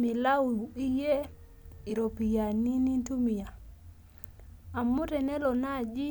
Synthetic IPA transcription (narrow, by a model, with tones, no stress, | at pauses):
mi˨la˦u˨i˦je˦ | i˨ɾo˨pi˨ja˨ni˦ni˦ntu˦mi˨a˨ | a˨mʊ˦ɾɛ˨nɛ˦lɔ˨na˦˨d͡ʒi˦